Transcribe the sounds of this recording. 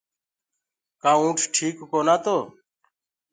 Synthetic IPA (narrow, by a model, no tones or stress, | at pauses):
kãːũːʈʰʈʰiːkkoːnaːt̪oː